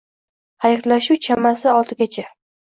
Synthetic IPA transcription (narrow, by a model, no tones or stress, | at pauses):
hajɾlaʃuwt͡ʃʰamasɪɒlˠt̪ʰɪɡʲat͡ʃʰa